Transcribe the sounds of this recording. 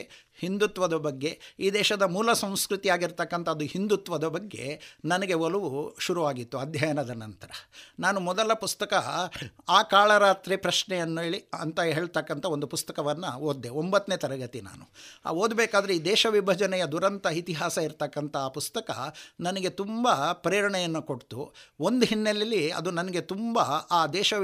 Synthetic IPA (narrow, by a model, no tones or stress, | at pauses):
hind̪ut̪ʋɐd̪ɐbɐɡːe̞iːd̪ɛːʃɐd̪ɐmuːlɐsɐ̃w̃skɾut̪ijaːɡiɾt̪ɐkːɐnt̪ʰɐːd̪uhind̪ut̪ʋɐd̪ɐbɐɡːe̞̰nɐnɐɡe̞ɔluʋuʃuɾuʋaːɡit̪ːuɐd̪ʱjɐjɐnɐd̪ɐnɐnt̪ɐɾɐnaːnumɔd̪ɐlɐpust̪ɐkɐaːkaːɭɐɾaːt̪ɾipɾɐʃɳɛjɐnːeːɭiɐnt̪ɐɦe̞ːɭt̪ɐkːɐnt̪ʰɐond̪upust̪ɐkɐʋɐnːuoːd̪ːeombɐt̪ːneːt̪ɐɾɐɡɐt̪ina̰ːnuoːd̪bɛːkaːd̪ɐɾeiːd̪ɛːʃɐʋibʱɐd͡ʒɐnɛjɐd̪uɾɐnt̪ɐit̪iɦaːsɐiɾt̪ɐkːɐnt̪ʰɐaːpust̪ɐkɐ̰nɐnɐɡe̞t̪umbɐpɾiːɾɐɳɛjɐnːuko̞ʈt̪ṵond̪uɦinːelːɐlːiɐ̰d̪unɐnɐɡe̞t̪umbɐaːd̪ɛːʃɐ